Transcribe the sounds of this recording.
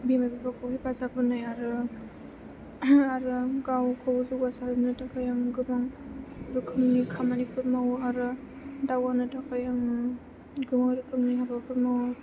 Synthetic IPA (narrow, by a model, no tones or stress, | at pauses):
bimajbibʰakʰɯwhipasapʰɯnajaɾɯ | aɾɯɡawkʰɔwzukwasaɾɯnɯtakʰajaŋɡɯmaŋɾukʰɯmnikʰamanipʰuɾmawaɾɯ | dawanɯtakʰajaŋ | ɡɯmaŋɾukʰɯmniɦabapʰuɾmaw